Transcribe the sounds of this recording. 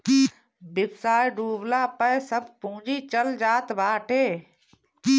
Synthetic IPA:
bɪbsaːjɖuːblaːpəjsəbpũːd͡ʒit͡ʃəld͡ʒaːt̪baːʈʰeː

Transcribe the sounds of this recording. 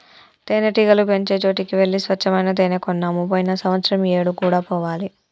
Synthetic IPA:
t̪eːneʈiɡɐlupeɲt͡ʃeːt͡ʃo̞ːʈikiʋe̞ɭːisʋɐt͡ʃʰːɐmɐjnɐd̪eːnekɔnːaːmupojinɐsɐmʋɐt̪sɾɐmeːɽukuːɽaːpɔːʋaːli

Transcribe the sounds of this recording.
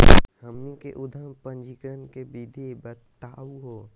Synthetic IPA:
həmːikeʔʊd̪ʱəmpə̃ɲd͡ʒikɾənkebid̪ʱebət̪ːaːuɦoː

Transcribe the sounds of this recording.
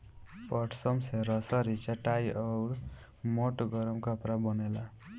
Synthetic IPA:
pʌʈʰsʌmseɾʌsʌɾit͡saʈajʌɾ | moʈɡʌɾʌmkʌpɾabʌnela

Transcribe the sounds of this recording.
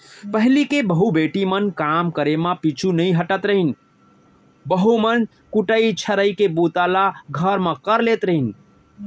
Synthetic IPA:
pəɦlikebəɦubeʈimənkamkəɾemãpit͡ʃʰunəĩɦəʈət̪ɾəɦin̆ | bəɦumən | kuʈəit͡ʃʰəɾəjkebut̪alaɡʱəɾmə̃kəɾlet̪ɾəɦin

